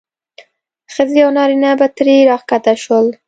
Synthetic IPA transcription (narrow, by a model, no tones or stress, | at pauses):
xəziawnɑɾinabat̪ɾiɾɑχkat̪aʃwəl